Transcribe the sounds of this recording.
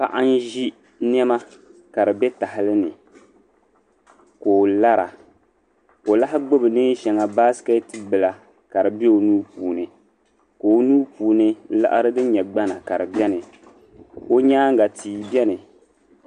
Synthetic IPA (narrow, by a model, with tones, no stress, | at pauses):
pa̰˦ʔa˦n˦ʒi˦ | n˦ɛ˦ma˦ | ka˨ɾɨ˨bɛ˦ta˨hɪ˦lɨ˦nɨ˨ | ko˨la˦ɾa̰˨ | ko˨la˦ɦɪ˦ɡ͡bo˦bɨ˨nɨː˦ʃɛ˨ŋa˨baː˦sɨ̥˦ka˦tɨ˦bɨ˨la˨ | ka˨ɾɨ˨bɛ˦o˨nuː˦puː˨nɨ˨ | ko˨˦nuː˦puː˨nɨ˦la̰˦ʔa̰˦ɾɨ˦dɨ˦ɲɛ˨ɡ͡ba˦na˨ka˨ɾɨ˨bjɛ˦nɨ˨ | o˦ɲaː˦ŋ˦ɡa˨tʰiː˨˦bjɛ˦nɨ˨